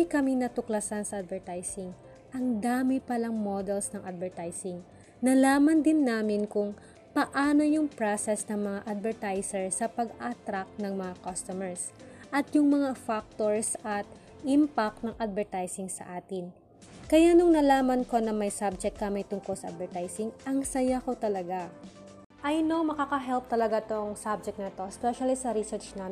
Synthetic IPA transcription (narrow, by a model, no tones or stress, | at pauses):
ɪjkɐmɪnɐt̪ʊklɐsansɐʔad̪̚vɛɹt̪ajsɪŋ | ʔɐŋd̪aːmɪpɐlaŋmod̪ɛlsnɐŋʔad̪̚vɛɹt̪ajsɪŋ | nɐlaːmɐnd̪ɪnːaːmɪnkʊŋ | pɐʔaːno̞jʊŋpɹasɛsnɐŋmɐŋaʔad̪̚vɛɹt̪ajsɛɹsɐpɐɡat̪ɾak̚nɐŋmɐŋakɐst̪omɛɹs | ʔɐt̪jʊŋmɐŋafak̚t̪oɹsʔɐt̪̚ | ʔɪmpak̪̚nɐŋʔad̪̚vɛɹt̪ajsɪŋsɐ̰ʔaːt̪ɪn | kɐjanʊŋnɐlaːmɐnko̞nɐmɐjsab̚d͡ʒɛk̚t̪̚kːɐmɐjt̪ʊŋko̞lsɐʔɐ̰d̪̚vɛɹt̪ajsɪŋʔɐŋsɐjako̞t̪ɐlɐɡa | ʔɐjno̞mɐkakɐɦɛlp̚t̪ɐlɐɡat̪oŋsab̚d͡ʒɛk̚t̪̚nɐt̪o̞spɛʃɐlisɐɾisɛɹt͡ʃna